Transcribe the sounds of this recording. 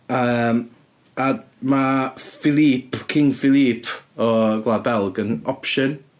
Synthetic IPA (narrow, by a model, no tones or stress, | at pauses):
əm | ad | mafɪlˠipʰkʰɪŋfɪlˠipʰɔɡlˠabɛlˠɡənɔpʃən